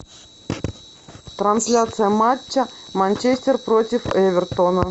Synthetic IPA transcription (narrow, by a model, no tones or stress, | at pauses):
t̪ɾɐnsʲlʲat̪sɨjəmat͡ɕːəmanʲt͡ɕesʲtʲɪrpɾotʲɪfɛvʲɪrt̪onə